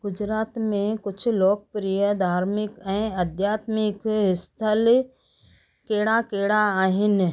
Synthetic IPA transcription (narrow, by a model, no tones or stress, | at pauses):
ɡ̥ʊd͡ʒɾaːt̪mẽkʊt͡ʃʰloːk̚pɾijəd̪ʱaːɾmɪkɛ̃əd̪ʱjaːt̪mɪkɪst̪ʰəl | keːɽakeːɽaaːɦɪn